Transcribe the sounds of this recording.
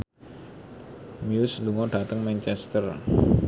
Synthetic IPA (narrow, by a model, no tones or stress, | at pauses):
miusluŋɔɖ̥at̪əŋmɛnt͡ʃɛst̪ər